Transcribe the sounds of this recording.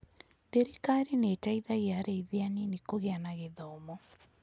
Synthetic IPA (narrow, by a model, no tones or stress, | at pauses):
beɾikaɾineːtaiðaɣeaɾeiðeanenekoɣeanaɣeðɔmɔ